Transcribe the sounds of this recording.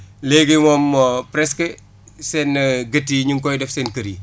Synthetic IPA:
leɡimɔmːopɾɛske | sɛnːɐɡɐtːiɲuŋkɔjdɛfsɛnkɐɾi

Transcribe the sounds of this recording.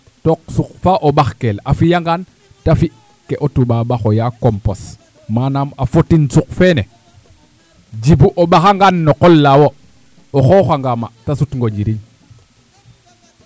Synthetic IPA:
tok̚sukfaʔobaxkelafijaŋɡan | tafi | keʔotubabaxojakompos | manamafotinsuk̚fene | d͡ʒibuʔobaxaŋɡanːokolːawo | oxoxaŋɡamatasutŋɡoɲɟiɾiɲ

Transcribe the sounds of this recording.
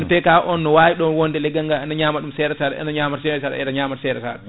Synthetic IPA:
nɔfɛkaʔɔnːɔwaːjiɗɔnwondɛlɛɡaŋɡaanaɲaːmaɗumsɛɾɛsaɗɛɛ̰naɲaːmaɾsɛɾɛsaɗɛ̰ɛ̰ɗaɲaːmasɛɾɛsa̰ːɗɛ

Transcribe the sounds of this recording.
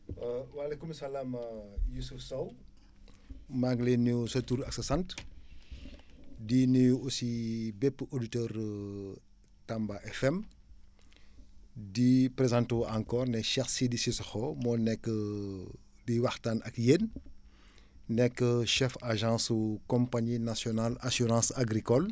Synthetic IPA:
walekumɐsɐlaːmjusufsɐw | maŋɡlenːusɐtuːɾɐksɐsɐnt | diniusibɛpːəʔoditøːɾ | tambaʔɛfɛm | dipɾezãntoːʔãŋkɔːrnɛʃɛxsidisisxɔmɔːnɛkːə | biwaxtaːnɐkjeːn | nɛkːəʃɛfaʒɑ̃ːsukɔmpaɲinasjɔnalasyɾɑ̃ːsaɡɾikɔl

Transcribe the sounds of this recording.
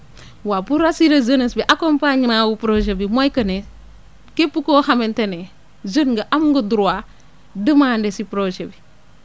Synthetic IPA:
wabuɾasiɾazənɐsbiʔakompaɲmawupɾod͡ʒebimojkɐne | kepːukohamentene | zənɡəʔamɡuduɾwa | dəmaːndesipɾod͡ʒebi

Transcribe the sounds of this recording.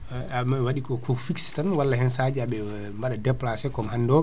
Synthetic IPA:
amawaɗikɔkʰofikstanwalːaɦɛnsad͡ʒɛaɓɛ | mbaɗadɛplasɛkɔmɦandɔ

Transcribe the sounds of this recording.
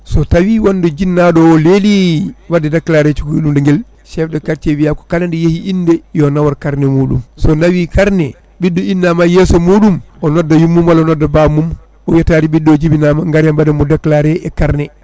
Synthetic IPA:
sɔtawiwanːdɔd͡ʒinːaɗɔɔleliwadːɛdaklaɾɛt͡ʃuɡuɗumdɛŋɡɛl | ʃɛfdɔkaɾt͡ʃewijakɔ̥kalandijehiʔinːdɛjɔnawaɾkaɾnɛmuːɗumsɔnawikaɾnɛ | bidːɔinːamajɛsɔmuːɗumɔnɔdːajumːumwalaɔnɔdːabamum | ɔjataːɾiɓidːɔd͡ʒibinamaŋɡaɾjambadamɔdakːlaɾɛɛkaɾnɛ

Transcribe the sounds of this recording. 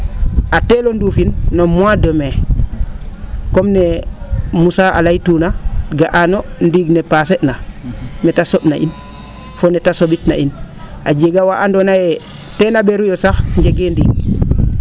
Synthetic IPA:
atelonduːfinːomwadome | komne | musaa̰lajtunaɡaʔanondiɡnepaseʔnamɛtasoɓna̰ʔḭn | fonetasobitna̰ina̰ɟeɡawaʔandonaje | tenabeɾujosaxɲɟeɡendiːɡ̚

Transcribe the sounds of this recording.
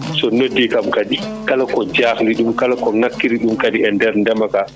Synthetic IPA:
sɔnodːikamkaɗi | kalakɔd͡ʒaːxliɗumkalakɔŋakːiɾiɗumkaɗiɛndɛɾndɛmaka

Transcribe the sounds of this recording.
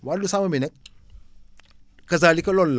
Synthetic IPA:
walusamɐminɐk̚ | kːɐzaːlikɐlɔlːa

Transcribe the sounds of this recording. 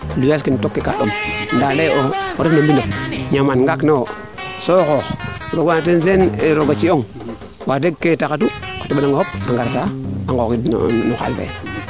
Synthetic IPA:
lujaskintokːekaɗomndaleooɾifnambiloɲamanŋɡakno | sokoxɾoɡanatenzeneɾoɡat͡ʃioŋ | wadeɡkːetakatukḁtuɓanaŋɡahop̚aŋɡaɾtaaŋɡokḭnuxa̰lfḛ

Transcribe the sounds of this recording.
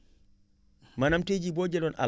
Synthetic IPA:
manamted͡ʒibɔd͡ʒɛlɔna̰

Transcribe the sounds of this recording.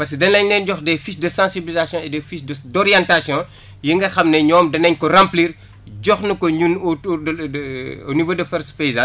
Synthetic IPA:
pɐsedɐnɐɲnɛnɟɔxdɛfiʃdɐsãsibilizasjɔ̃ɛdɛfiʃdədɔɾijãntasjɔ̃ | jiŋɡɐxɐmnɛɲɔːmdɐnɐɲkɔrãmpliːr | ɟɔxnɐkɔɲun | nivoːdɐfɛɾspezɐ

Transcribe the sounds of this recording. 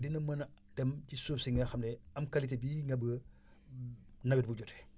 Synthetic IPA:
dinɐmɐnɐtɛmcisuːpsiŋɐxɐmlɛɐmkɐlitebiŋɡɐbə | nɐbit̚buɟɔtɛ̥

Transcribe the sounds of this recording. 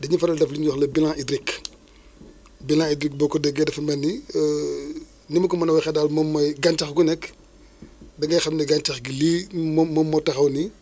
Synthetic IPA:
dɐɲufɐɾɐldɐfliɲwɔxlɐbilãʔidɾik | bilãidɾik̚bɔkːɔdɛɡɛdɐfɐmɛnːi | nimɐkɔmɐnɐwɐxɛdaːlmɔmːɐjɡantɐxɡunɛk | dɐɡɐjxɐmnɐɡantɐxɡiliːmɔmɔmːɔtɐxɐwni

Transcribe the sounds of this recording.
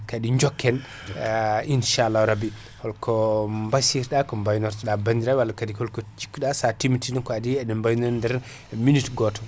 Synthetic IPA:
kadiɲd͡ʒɔkːɛn | inʃalːahɾabi | hɔlkʰɔmbasiɾɗakɔmbajnɔɾtɗabandiɾawalːakadikɔlkɔt͡ʃi̥kːuɗasatimitinɛnkɔadiɛdɛmbajnɔndɛɾ | minitɡɔtɔ

